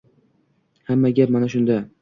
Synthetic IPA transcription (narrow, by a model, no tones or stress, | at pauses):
hamːaɡʲap̚manaʃʊnd̪a